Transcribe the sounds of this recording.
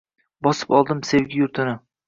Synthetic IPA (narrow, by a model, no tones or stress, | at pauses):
bɒsɪ̥pɒlˠd̪ɪmse̞vɡʲɪjʊɾt̪ʰɪnɪ